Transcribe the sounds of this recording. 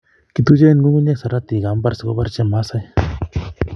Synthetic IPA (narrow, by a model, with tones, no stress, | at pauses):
ki˨t̪u˦d͡ʒe˦n˦ɡu˦ŋɡu˦ne˦ksa˨ɾa˦t̪i˨ɡa˨˦mba˦ɾsə˨ko̰˦ba˦ɾt͡ʃɛ˦ma˦sa˦j